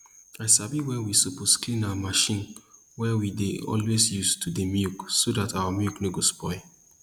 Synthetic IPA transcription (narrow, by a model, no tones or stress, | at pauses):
aɪsabiwɛwisoposklĩnawəmaʃĩn | wɛwideɔ̰lwesjustʰudemjuksodatʰawəmjuknoɡospɔɪ